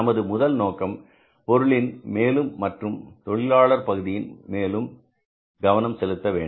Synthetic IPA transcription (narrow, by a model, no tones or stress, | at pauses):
ɐmɐðɯmʊðɐlnoːkɐm | pɔɾɯɭɪnmeːlɯmːɐʈrɯmt̪ɔɭɪlaːɭɐɾpɐɣɯðɪjɪnmeːlɯm | ɡɐʋɐnɐmsɛlɯt̪ːɐʋeːɳ